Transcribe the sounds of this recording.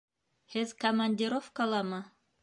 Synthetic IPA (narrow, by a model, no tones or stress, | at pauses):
hɘðkɐmɐnʲdʲiɾofkɑlˠɑmɤ